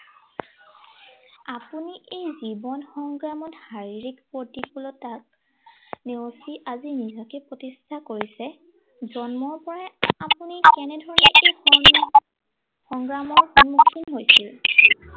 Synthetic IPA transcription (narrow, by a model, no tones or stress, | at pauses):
apuniʔejzibɔnxɔŋɡɹamɔthaɹiɹikpotikulɔtak̚ | newsiʔazinizɔkɛpɹotistʰakoɹisɛ | zɔnmɔɹpɔɹaapunikɛnɛdʱɔɹɔnɛʔejxɔ | xɔŋɡɹamɔɹxunmukʰːinɦojsil